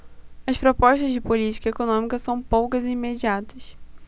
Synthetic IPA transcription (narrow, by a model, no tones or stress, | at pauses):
ɐspɾopɔʃt̪ɐzd͡ʒɪpolit͡ʃi̥kɐekonõmikɐsɐ̃w̃powkɐzɪimed͡ʒiat̪ɐs